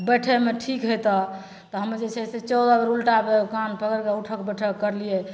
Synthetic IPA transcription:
bəʈʰemeʈʰikɦojt̪ɔ | t̪ɔɦəməɾd͡ʒet͡ʃʰɛset͡ʃɔd̪ɔbəɾulʈabekanpʰəkəɾkeuʈʰəkbəʈʰəkəɾliɛ

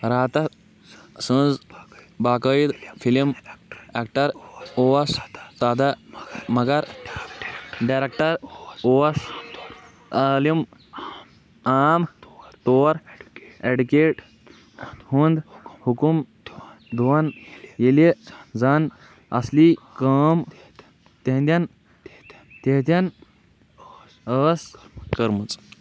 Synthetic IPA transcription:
ɾaːt̪ɐ | sũnzbaːkəjid̪fʰilimek̚ʈɐɾoɐst̪aːd̪ɐmɐɡɐɾ | ɖajɾek̚ʈɐɾoːɐs | əlim | aːmt̪oːɾeɖukeʈ | hund̪hukum | d̪uanjeled͡zan | ə̰slikəm | t̪ẽɦnd̪an | t̪ẽɦt̪jan | əskəɾmut͡s

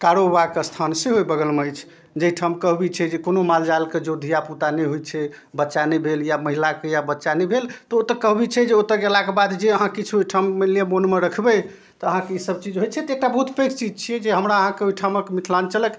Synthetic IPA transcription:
kaɾobakest̪ʰanseɦojbəɡəlməjt͡ʃʰ | d͡ʒəiʈʰəmkəɦbit͡ʃʰɛd͡ʒekonomald͡ʒalked͡ʒod̪ʱijaput̪anəjɦojt͡ʃʰɛ | bətːʃanəbʱeljaməɦilakejabətːʃanəjbʱelt̪ɔot̪əkəɦbit͡ʃʰɛd͡ʒeot̪əɡelakebad̪d͡ʒeəɦãkit͡ʃʰuiʈʰamːilemonmeɾəkʰbə | t̪ɔəɦãkeisəbt͡ʃid͡ʒɦojt͡ʃʰɛt̪ɔek̚ʈabəɦut̪pekt͡ʃid͡ʒt͡ʃʰijɛd͡ʒeɦəmɾaəɦãkeuiʈʰaməkemit̪ʰlant͡ʃələk

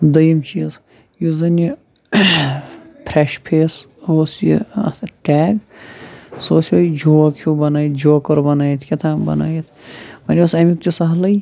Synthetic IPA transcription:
d̪ɐjɐmt͡ʃiːz | juzɐni | pʰɾeʃpʰeːs | osjḭʈɛːɡ | soːsɐjd͡ʒoːkʰubɐnaːjt̪̚d͡ʒoːkɐɾbɐnaːjit̪ʰkʲɐt̪ʰãːbɐ̰na̰ːjit̪ʰmɐnʲosɐmik̚t͡ʃisɐɦlɐj

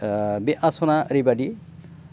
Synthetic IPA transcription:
beʔasonaɾibaɖi

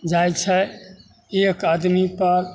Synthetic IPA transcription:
d͡ʒajt͡ʃʰɛ | ekad̪mipəɾ

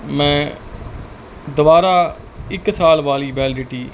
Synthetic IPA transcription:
mɛ̃ː | d̪ʊʋaːɾaː | ɪksaːlʋaːliːbɛːld͡ʒeːʈiː

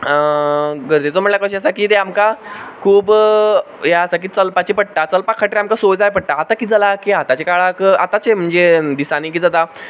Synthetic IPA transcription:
ɡəɾd͡zet͡sɔməɳljakəɕəsakiːt̪eamkakʰuːb | jaəsak̬iːt͡səlpat͡ɕipəɽ̚ʈ̪at͡səlpakʰːaʈɾeamkasod͡zajpəɽʈ̪aːt̪akiːd͡zalakiat̪at͡ɕekaɭakat̪at͡ɕem̤əɳd͡zed̪isaniːk̬iːd͡zat̪a

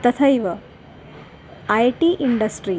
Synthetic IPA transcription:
t̪ɐt̪ʰɐjʋɐ | ɐjʈiʔiɳɖɐsʈɾi

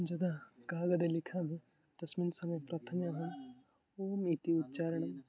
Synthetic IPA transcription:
d͡ʒɐd̪akaːɡɐd̪elɪkʰamẽ | t̪ɐsminsɐmɐjpɾɐt̪ʰɐmjɐɦɐm | omit̪iut̪ːt͡ʃaːɾɐɳ̃ɐm

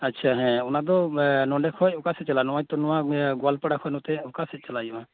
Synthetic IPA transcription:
atːt͡ʃʰaɦɛ̃unad̪ɔnɔɖɛkʰɔjɔkasɛt͡ʃalanɔwajt̪ɔnɔwaɡɔalpaɽakʰɔjnɔt̪ɛɔkasɛt͡ʃalajua

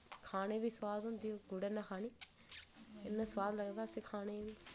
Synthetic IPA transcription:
kʰaːneːbiːswaːd̪ɦʊnd̪ioɡʊɽeːnakʰaːniː | ɪnːəswaːd̪ləɡd̪aːsikʰaːneːbiː

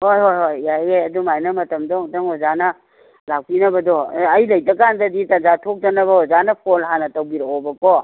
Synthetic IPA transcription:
hojɦojɦojajeɐdumajnɐmɐtɐmdɔŋtɐŋozanɐ | lak̚pinɐbɐdɔːjlɐjdɐkandɐditɐnd͡ʒatʰok̚d͡ʒɐnɐbɐɔzanɐpʰolɦanɐtɐwbiɾaobɐkɔ

